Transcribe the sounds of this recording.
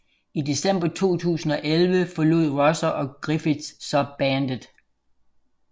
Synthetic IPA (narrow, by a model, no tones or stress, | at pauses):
id̥e̝sem̰b̥ɐt͡sʰo̝̰ːt͡sʰṵːsn̩ɒ̽ʔelʋəfɒ̽luð̞̰ˠʁɒsɐʔɒ̽ɡ̥ʁifid̥ssɒ̽b̥ænd̥əð̩ˠ